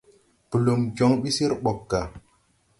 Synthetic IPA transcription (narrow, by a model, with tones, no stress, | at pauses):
pə˨lo˨md͡ʒo˨˦ŋɓi˦si˦ɾɓɔ˨kːa˨